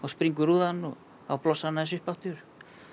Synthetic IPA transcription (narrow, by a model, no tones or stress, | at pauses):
ɔɣspɾiŋk̬ʏɾuːðanːɔ | a̰wplɔsːaðnaθɛs̬ʏhpaht̪ʏɾ̥